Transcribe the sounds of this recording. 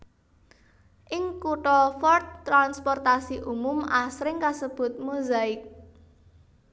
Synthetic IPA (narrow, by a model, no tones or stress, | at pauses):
ʔɪŋkuʈɔfɔrt̪ːɾanspɔrt̪asiʔumʊmasɾɪŋkasəb̥ʊ̤t̪̚muzaɪk̚